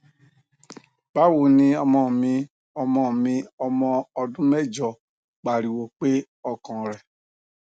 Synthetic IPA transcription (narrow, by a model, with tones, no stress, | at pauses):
b̥a˦wo˨nĩ˧ɔ˧mɔ̃˧˨mĩ˧ | ɔ˧mɔ̃˧˨mĩ˧ɔ˧mɔ̃˧ɔ˧dũ˦mɛ˦˨d͡ʒɔ˧˨ | k͡pa˨ɾi˨wo˨k͡pe˦ | ɔ˧kɔ̃˨ɾɛ˨